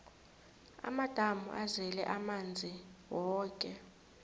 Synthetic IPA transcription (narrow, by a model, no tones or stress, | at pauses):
a̰mad̥ʱamṵʔazɛlɛʔamand͡zʱiwɔːkʼɛ